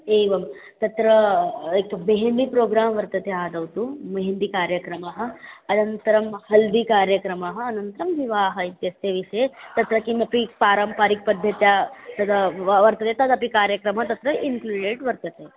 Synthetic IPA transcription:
eʋɐm | t̪ɐt̪ɾəekmeɦenɖ̪ipɾoɡɾaːmʋɐɾt̪ɐt̪ead̪ʱɐʋt̪umeɦend̪ikaːɾjəkɾɐmaɦə̆ɐnɐnt̪əɾɐmhɐld̪ikaɾjəkɾɐmaɦəɐnɐnt̪ɾɐmʋiʋaːɦəit̪jɐst̪eʋiʂəjet̪ɐt̪ɾɐkinɐpipaːɾɐmpaɾik̚pɐd̪ʱjət̪jat̪ɐd̪ʱaʋɐɾt̪ət̪et̪ɐd̪ʱɐpikaɾjəkɾɐmɦət̪ɐt̪ɾəʔiŋkluɖeʈʋɐɾt̪ət̪e

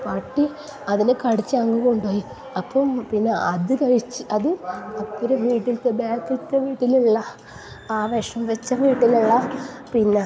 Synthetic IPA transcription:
paːʈːi | ɐðinekɐɽit͡ɕːɨɐŋːuɣouɳɖoːji | ɐpːompinːeɐðɨkɐɻit͡ɕːɨ̥ʔɐðɨɐpːɐɾeʋiːʈːilt̪ːebaːkːilt̪ːeʋiːʈːiluɭːɐ | aːʋɐʂɐmʋet͡ɕːɐʋiːʈːiliɭːɐpinːe

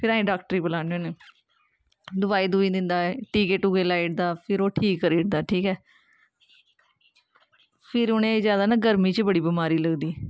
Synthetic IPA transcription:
pʰɪɾaːĩːɖaːkʈəɾiːbəlaːnõːneː | d̪ʊbaːiːd̪uːĩːd̪ɪnd̪aːɛʈiːkeʈʊɡeːlaːɪʈ̚d̪aːpʰɪɾoːʈʰiːkːəɾiːʈd̪aːʈʰiːkɛː | pʰɪɾʊnẽːzjaːd̪aːnaːɡəɾmĩːt͡ʃbəɽiːbimaːɾiːləɡd̪iː

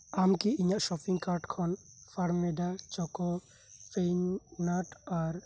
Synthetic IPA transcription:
amkiiɲaʔʃɔpiŋkaɾʈkʰɔn | pʰaɽmɛɖat͡ʃɔkɔ | pʰeɲːaʈaɾ

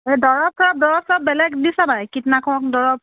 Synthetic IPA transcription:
edɔɹɔp̚ʰɔɹɔp̚dɔɹɔp̚tɹɔp̚bɛlɛkdisabajkitnakʰɔɔk̚dɔɹɔp̚

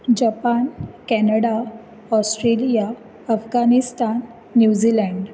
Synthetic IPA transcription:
d͡ʑapankɛnəɽa | ɔsʈɾelija | əfɡanist̪anː | jud͡ʑilɛ̃ɳɖ

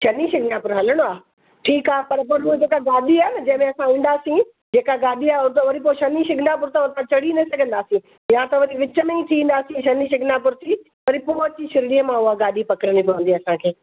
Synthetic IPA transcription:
ʃɐniʃɪɡʱnaːpʊɾɦɐləɽ̃oaː | ʈʰiːkaːɦepɐɾpɐɾɦʊɦed͡ʑeːkaɡaːɗiaːnɐd͡ʑɐ̃ɦɪ̃mẽɐsãĩːn̆d̪aːsĩ | d͡ʑeːkaɡaːɗiaːʊɾt̪ɐʋɐɾip̬oʃɐniʃɪɡʱɪnapʊɾt̪ãʊt̪ãt͡ɕɐɽinɐsɐɡʱə̃nd̪aːsĩ | jãt̪ɐʋɐɾiʋɪt͡ɕəmẽĩt̪ʰiʋ̃ːnd̪aːsĩʃɐniʃɪɡʱnapʊɾt̪ʰi | ʋɐɾipoːɦt͡ɕiʃɪɾɽiːəmãʊaɡaːɗipɐkɪɾənipɐʋə̃nd̪iɐsãkʰeː

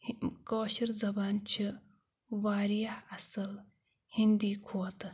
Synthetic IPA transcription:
koːɕiɾzɐbaːnt͡ʃʰi | ʋaːɾijahɐsɐl | hind̪iːkʰoːt̪

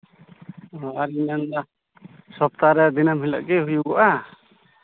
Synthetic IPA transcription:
ɔaɾinand̪a | sɔp̚t̪aɾɛd̪inamɦila̰ʔɡɛɦujuɡɔʔa

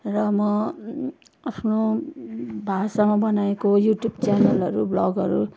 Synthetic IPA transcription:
rʌmʌ | ʌsno | bʱasamʌbʌnaekojuʈjubt͡sanʌlʌɾublʌɡʌɾu

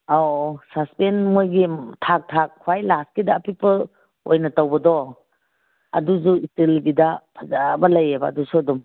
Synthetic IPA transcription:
awsaspenmojɡitʰak̚tʰak̚kʰːwajlaskidaːpʰipɐ | ojnɐtawbɐdɔ | ɐ̰duzuistilɡidɐpʰɐzabɐlɐjebɐːdusuɐdum

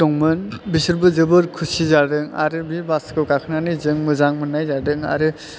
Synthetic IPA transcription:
tɔŋmɯnbisɯɾbɯzɯbɯɾkʰusizadɯŋa̰ɾɯbibaskɯwkakʰɯnanizɯŋmɯzaŋmɯnːajzadɯŋa̰ɾɯ

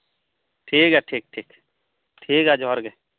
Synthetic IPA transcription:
ʈʰiːkɛʈʰiːk̚ʈʰiːk | ʈʰiːkɛd͡ʒɔɦəɾɡe

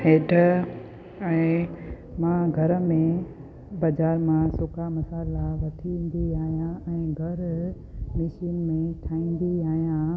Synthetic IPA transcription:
heːʈə | ɛ̃ː | mãːɡʱɐɾə̆mẽ | bɐːd͡ʑaːɾmãsʊkamɐsaːlaʋɐʈʰiʋĩːn̆d̪iaːɦijãɛ̃ːɡʱɐɾ | mɪʃiːnmẽʈʰaːĩːn̆d̪iaːɦijã

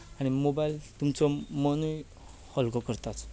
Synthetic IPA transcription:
aɽ̃imobajlt̪umt͡sɔmənuj | hɔlkɔkəɾt̪at͡s

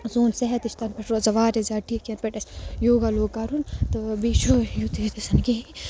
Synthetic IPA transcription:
zoːnsɛɦɛt̪iʃt̪ɐnpɐʈɾoːzɐʋaːɾezaːʈiːkʲɐnpeʈɐsjoːɡaloːɡɐɾunt̪ɨbiːt͡ʃʰojut̪et̪ɐsɐnkeɦi

